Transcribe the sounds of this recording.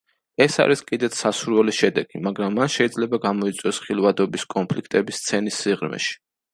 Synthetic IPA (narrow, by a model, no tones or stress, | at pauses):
ɛsa̰ɾiskʼid̪ɛt̪ssasuɾwɛliʃɛd̪ɛɡ̥imaɡɾamːanʃɛid̪zlɛbaɡamɔit̪sʼwjɔsχilˠvad̪ɔbiskʼɔnpʰlikʰt̪ʼɛbist̪sʰɛnisːiʁɾmɛ̰ʃi̥